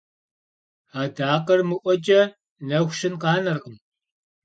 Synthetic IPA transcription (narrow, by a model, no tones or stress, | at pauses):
aːdaːqɐrmɨʔʷɔt͡ʃʼɐ | nɐxʷʃɪnqɑːnɐrqəm